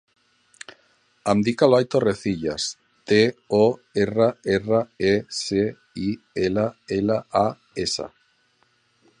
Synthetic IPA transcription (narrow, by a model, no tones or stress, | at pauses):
amd̪ikaloajt̪oreθiʎa̰s | t̪eoeraeraese | i | elaelaa | esa̰